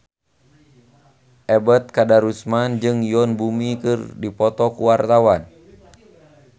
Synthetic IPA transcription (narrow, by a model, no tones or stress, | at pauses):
ʔɛbət̪̚kadaɾusmand͡ʒɨŋjɔnbumikɨrdipɔt̪ɔkuwart̪awan